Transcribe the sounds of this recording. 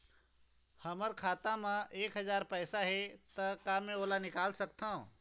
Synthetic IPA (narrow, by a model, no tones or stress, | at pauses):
həməɾkʰaːt̪ãmãʔeːkɦɐzaːɾpɛːsaɦɛt̪ɐkamẽoːlanɪkaːlsəkt̪ãũ